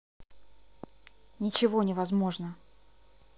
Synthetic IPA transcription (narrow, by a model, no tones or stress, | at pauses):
nʲɪt͡ɕɪvo̞nʲɪvɐzmo̞ʐnə